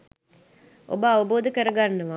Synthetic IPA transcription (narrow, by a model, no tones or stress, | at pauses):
ʔo̰bəaʋəboːd̪əkəɾəɡanːəʋa